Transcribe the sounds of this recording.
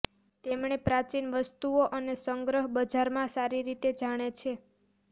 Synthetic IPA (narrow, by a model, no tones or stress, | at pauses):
t̪emɳepɾat͡ʃinʋəst̪uoʔənesəŋɡɾəɦbəd͡ʒaɾmãsaɾiɾit̪ed͡ʒaɽ̃et͡ʃʰe